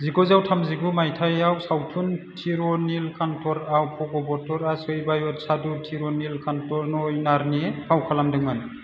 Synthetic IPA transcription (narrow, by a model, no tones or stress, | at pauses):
ziɡɔzawtʰamziɡumajtʰajawsawtʰuntʰiɾɔnilkʰantʰɔɾawpʰɔɡɔbɔtʰɔɾasɯjbajɔt̚sadutʰiɾɔnilkʰantʰɔɾnɔjnaɾnipʰawkʰalamdɯŋman